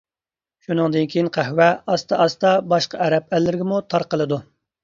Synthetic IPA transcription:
ʃunɨŋd̪ɨnkʲʰijinqʰæhwɛɑst̪ɑʔɑst̪ɑbɑʃqɑɛɾɛp̚ɛlːɪɾɪɡʲɪmut̪ʰɑɾqəlˠɨd̪u

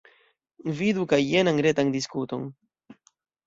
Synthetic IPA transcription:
vidukajːenaŋɡɾetaŋdiskuto̞n

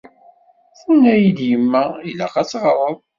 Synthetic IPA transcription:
θunæjid̪jəmːæilæχæt͡sːʁɾˤəðˤ

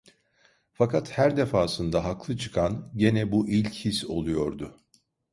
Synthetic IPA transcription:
fakʰat̪hæɾd̪e̞faːsɯnd̪aɦaklˠɯt͡ʃʰɯ̥kʰanɟenɛbuʔilʲchiso̞̰lˠujo̞ɾd̪ʊ

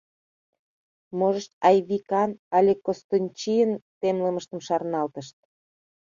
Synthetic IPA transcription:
moʒəʃt̪ɑjβikɑnɑlʲekost̪onʲt͡ɕijənt̪emləməʃt̪əmʃɑrnɑlt̪əʃt̪̚

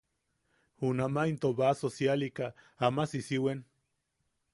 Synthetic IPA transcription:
hunamaint̪oβasosjalika | amasisiwen

